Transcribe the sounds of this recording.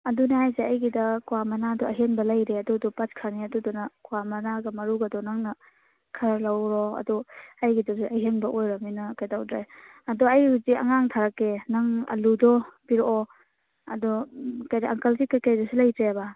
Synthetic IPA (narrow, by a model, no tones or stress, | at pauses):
ɐdunaɦajzeɐjɡidɐkwamɐnadɔɐɦenbɐlɐjɾeɐdudɔpatkʰɐɾniɐdudɔnɐkuwamɐnaɡɐmɐɾuɡɐdɔnaŋnɐ | kʰɐɾlawɾɔɐ̰dɔɐjɡidɔsiʔɐɦenbɐʔojɾɐminɐkajdawdɾe | ɐdɔɐjuziɐ̰ŋaŋtʰaɾakːenɐŋɐ̰ludɔbiɾɔ | ɐ̰dɔkajdaaŋkɐlsikːakajdɔsilɐjtɾeba